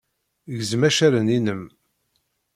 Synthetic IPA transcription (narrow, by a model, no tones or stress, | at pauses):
ʝzmæʃæɾəninəm